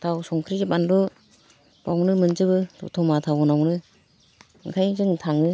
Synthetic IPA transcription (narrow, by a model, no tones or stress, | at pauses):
tʰawsɔŋkʰɾid͡ʒɯbanlu | b̥awnɯmɯnzɯbɯtɔ̰tʰɔmatʰawɡɯnawnɯ | ŋkʰajzɯŋtʰaŋɯ